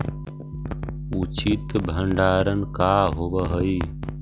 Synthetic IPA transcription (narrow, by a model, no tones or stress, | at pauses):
ut͡ʃit̪bʱəɳɖaːɾənkaːɦobəɦəi